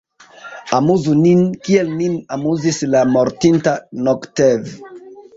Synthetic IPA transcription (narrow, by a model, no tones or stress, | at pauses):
amuzuninkielninamuzislamoɾtintanoktev